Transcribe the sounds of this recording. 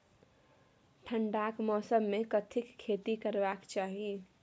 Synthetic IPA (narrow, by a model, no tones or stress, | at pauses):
ʈʰəɳɖakmɔːsəmːekət̪ʰɪkʰːet̪ikəɾbakt͡ʃaːɦi